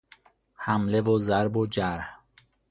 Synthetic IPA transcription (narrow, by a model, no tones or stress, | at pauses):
hæmlevozæɾbod͡ʒæɾh